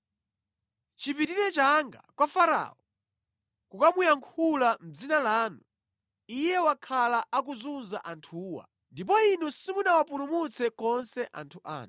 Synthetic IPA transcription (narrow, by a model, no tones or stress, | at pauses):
t͡ʃipitiɾɛt͡ʃaŋɡakwafaɾa̰ɔ | kukamujaŋkʰulam̩d͡zinalaːnu | ijɛwakʰalaakuzunza̰ʔantʰuːwa̰ | ndip̬ɔinusimunawapulumut͡sʰɛkɔnsɛʔa̰ntʰuʔa̰ːn